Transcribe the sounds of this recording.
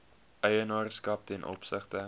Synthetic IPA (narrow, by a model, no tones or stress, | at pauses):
ʔɛjənɑːrskɐp̚tɛnʔɔ̰psəχtə